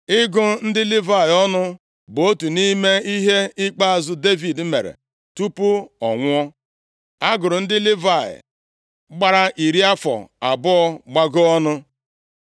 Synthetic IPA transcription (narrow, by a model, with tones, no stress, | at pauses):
ɪ˦ɡʊ˦n̩˦dɪ˦li˦va˦˨ɪ˨ɔ˦nʊ˦ | bo˦tu˨ni˦me˦i˦ɦe˦ɪ˦k͡pa˦a˨zʊ˦de˦vi˨d̩˨˦me˨ɾḛ˨ | tu˦pʊ˦ɔ̰˨ŋʷʊ˦ɔ˦ | a˦ɡʊ˨ɾʊ˨n̩˦dɪ˦lɪ˦va˦˨ɪ̰˨ | ɡ͡ba˦ɾa˦ʔi˨ɾi˦a˦fɔ̰˨a˨bʊ˦ɔ˦ɡ͡ba˦ɡʊ˦ɔ˦nʊ˦